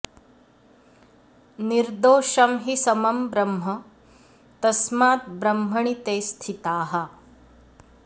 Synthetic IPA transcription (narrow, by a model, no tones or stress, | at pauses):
niɾd̪oːʃɐmɦisɐmɐmbɾɐmɦɐ | t̪ɐsmaːt̪̚bɾɐmɦɐɳit̪eːst̪ʰit̪aːɦɐ